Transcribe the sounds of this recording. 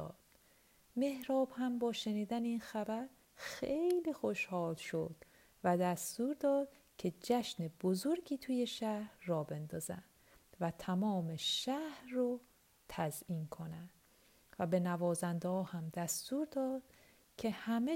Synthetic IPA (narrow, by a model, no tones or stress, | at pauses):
ɒ̰ːd̪̥ | me̞hɾɒːbhæmbɒːʃe̞niːd̪æneiːnxæbæɾ | xejliːxo̞ʃhɒːlʃo̞d̪̥ | væd̪æst̪uːɾd̪ɒːd̪̥ | cʰe̞d͡ʒæʃneb̥ozoɾɡiːt̪ʰuːje̞ʃæhɾːɒːbe̞nd̪ɒːzænd̪ | væt̪ʰæmɒːme̞ʃæhɾro | t̪ʰæziːnkʰo̞nænd̪̥ | væbe̞nævɒːzænd̪ɒːhæmd̪æst̪uːɾd̪ɒːd̪̥ | cʰe̞hæme